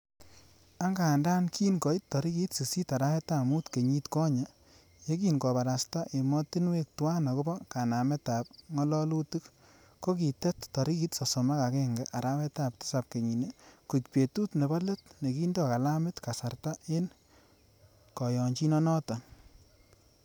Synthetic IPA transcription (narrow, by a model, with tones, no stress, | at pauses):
a˦ŋɡa˨nda˦nkʰi˦nkɔ˨i˦tːɔ˨ɾi˦ki˦tse˨si˦ta˨ɾa˦wɛ˦ta˨mu˦tke˨ɲi˦tkɔ˦ɲa˨ | je˦k̬i˦nkɔ˨βa˨ɾa˨sta˦ʔe˨mɔ˦tɪ˦nwe˦k̚twa˦nɔ˨ko˦bɔ˦ka˨na˨mɛ˦ta˨p̚ŋɔ˦lɔ˦lu˦tu˦k | ko˦ki˨tɛ˦ttɔ˨ɾi˦ki˦tsɔ˨sɔ˨ma˦ka˨kɛ˦ŋɡɛ˨ʔa˨ɾa˦wɛ˦tap̚tɪ̥˦sa˨p̚ke˨ɲi˨ne˨ku˨t͡ʃpe˨tu˦tne˨bɔ˦le˦t̚ne˨ki˦ndɔ˦ka˨la˦mɪ˦tka˨sa˨rta˦en | kɔ˨jɔ˨ɲt͡ʃi˦nɔ˦nɔ˦tɔ˨